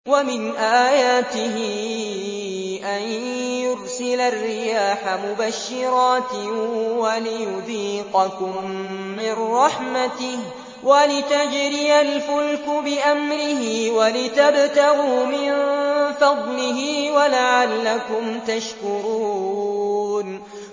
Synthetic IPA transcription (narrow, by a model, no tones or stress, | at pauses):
wamɪnʔaːjaːt̪ɪɦɪ | ʔanjʊɾsɪlarːɪjaːħamʊbaʃːɪɾˤɑːt̪walɪjʊðiːqɑkʊmː | ɪnɾˤɑħmat̪ɪh | walɪt̪ad͡ʒɾɪjalfʊlkʊbɪʔamɾɪhɪwalɪt̪abt̪aɣumɪnfɑd̪ˤlɪɦiːwalaʕalːakʊmt̪aʃkʊɾuː | n